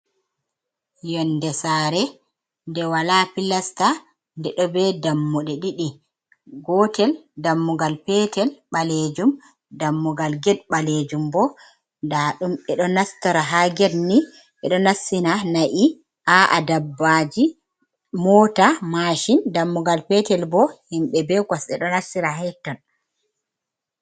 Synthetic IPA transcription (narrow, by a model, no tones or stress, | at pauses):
jɔndɛsaːɾɛ | ndɛwalapilasta | ndɛɗɔbɛdamːuɗɛɗiɗi | ɡɔtɛldamːuɡalpɛtɛlɓaled͡ʒum | damːuɡalɡɛd̚ɓaled͡ʒumbɔ | ndaːɗumɓɛɗɔnastaɾaɦaɡɛdni | ɓɛɗɔnasːinanaʔi | ʔaʔa̰dabːad͡ʒi | mɔːtamaʃindamːuɡalpɛtɛlbɔhimɓɛbɛɡwasɛɗɔnasːiɾaɦɛtːɔn